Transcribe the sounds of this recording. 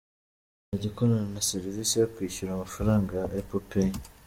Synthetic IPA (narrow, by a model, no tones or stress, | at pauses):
naɟikonananaseɾivisijokwiːʃuɾaːmafaɾaːŋɡaʔepope